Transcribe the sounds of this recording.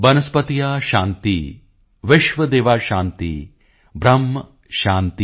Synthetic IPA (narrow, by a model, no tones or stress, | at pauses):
bɐnɐspɐt̪ijaːʃaːnt̪ḭ | ʋɪʃʋɐd̪eːʋaːʃaːnt̪ḭ | bɾɐmːɐ | ʃaːnt̪i